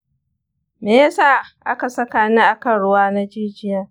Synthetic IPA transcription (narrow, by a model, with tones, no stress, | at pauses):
meː˨ja˦saː˦˨ʔa˦ka˨sɐ˦kaː˨nɪ˦ʔa˨kɐ˨nɽʊ˦waː˦na˦d͡ʒiː˦d͡ʒɪ˦jaː˦